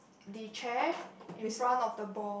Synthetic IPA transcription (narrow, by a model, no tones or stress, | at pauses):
dit͡ʃʰɛĩsɹãnɔfdəbɔ